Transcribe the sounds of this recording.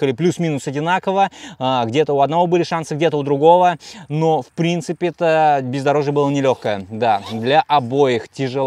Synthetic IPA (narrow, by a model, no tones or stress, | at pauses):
kəlʲɪplʲusmʲinʊsɐdʲɪnakəvəaɡdʲe̞t̪əʊɐd̪nɐvo̞bɨlʲɪʂansɨɡdʲet̪əʊd̪ɾʊɡo̞vənofpɾʲint̪sɨpʲɪɛt̪əbʲɪzd̪ɐɾo̞ʐjəbɨlˠənʲɪlʲo̞xkəjəd̪ad̪lʲɐʔɐbojɪxtʲɪʐɨ